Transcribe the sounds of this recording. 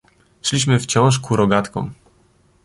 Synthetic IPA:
ʂlʲiɕ̬mɘft͡ɕɔ̃w̃ʂkuɾɔɡat̪kɔ̰̃m

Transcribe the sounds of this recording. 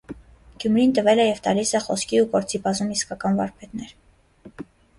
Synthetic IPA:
ɡ̥jumɾint̪əvɛlɛjɛvt̪ɑlisɛχɔskʰiukɔɾt͡sʰipɑzumiskɑkɑnvɑ̰ɾpʰɛt̪nɛɾ

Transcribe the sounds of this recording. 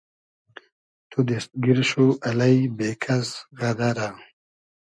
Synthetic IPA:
t̪ʰud̪ist̪̚ɡiɾɕuɐlɐjbeːkʰɐzɣɐd̪aɾa

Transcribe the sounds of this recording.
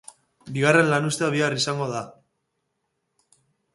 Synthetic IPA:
biɣ̞are̞nlanust̪eaβiarisaŋɡo̞ða

